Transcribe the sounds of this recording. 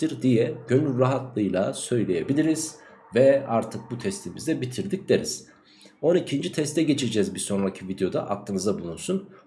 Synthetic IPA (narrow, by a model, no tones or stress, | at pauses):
iɾd̪ijɛɟø̞nylɾaɦat̪lˠɯjlˠa̰sø̞jlʲe̞je̞bilʲiɾiz̥ | vɛaɾt̪ʰɯk̚but̪ʰɛst̪ʰimizd̪ɛbit̪ʰiɾd̪ic̚lʲeɾiz̥ | o̞nicʰind͡ʒit̪ʰɛst̪ʰɛɟe̞t͡ʃʰed͡ʒɛzbiso̞nɾacʰivid̪ejo̞d̪a̰ʔaklˠɯnɯzabulˠunsun